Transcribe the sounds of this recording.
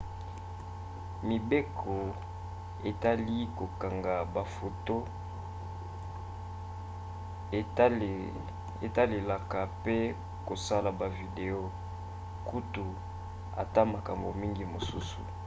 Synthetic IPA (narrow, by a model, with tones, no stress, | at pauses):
mi˨be˦kʰo˨ | e˨ta˦li˦ko˨ka˨ŋɡa˨ba˨fo˨to˦˨ | e˨ta˦le˨la˨ka˨pe˦ | ko˨sa˦la˨ba˨vi˨de˨o˦ | ku˦tu˨ | a̰˨ta˦ma˨ka˨mbo˨mi˦ŋɡi˦mo˨su˦su˨